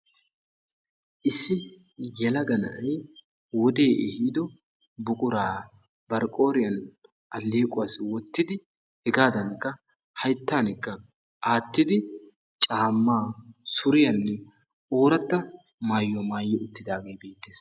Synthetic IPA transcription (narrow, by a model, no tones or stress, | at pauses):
ʔɪsːɪ | jɛlɐɡɐnɐ̰ʔɐj | wɔd̪e̞ːʔɛhiːd̪ɔ | bʊkʼʊɾaː | bɐɾkʼo̞ːɾɪjɐn | ʔɐlːeːkʼʊwaswɔt̪ːɪd̪ɪ | hɛɡaːd̪ɐŋkːɐ | hɐjt̪ːaːnɪkːɐ | ʔaːt̪ːɪd̪ɪ | t͡ʃʼaːmːaːsʊɾɪjɐnːɛ | oːɾɐt̪ːɐ | maːjːɔmaːjːɔʊt̪ːɪd̪aːɡe̞ːbe̞ːt̪ːeːs